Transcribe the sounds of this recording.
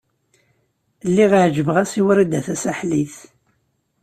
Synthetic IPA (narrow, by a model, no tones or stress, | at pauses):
lːiʁʕʒəvəʁæsiwəɾid̪æθæsæħliθ